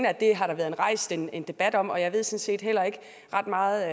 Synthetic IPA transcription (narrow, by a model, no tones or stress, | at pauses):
næd̥e̝ɦɑ̈ɾ̥ɑ̈ʋæːɐð̞ˠenʁɑ̈ɪ̰sd̥e̝ne̝nd̥e̝b̥æd̥ɒ̽m̰ɒ̽jɑ̈ɪʋe̝ð̞̰ˠsɒ̽nse̝̰ːd̥hel̰ɐe̝ɡ̥ə | ʁɑ̈d̥mɑ̈ːð̩ˠ